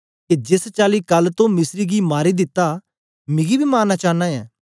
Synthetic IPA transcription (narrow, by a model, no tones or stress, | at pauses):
ked͡ʒɪst͡ʃaːlikɐlːt̪õmɪsɾiɡimaːɾid̪ɪt̪ːa | mɪɡibʱimaːnːat͡ʃaːnãːjɛ̰ː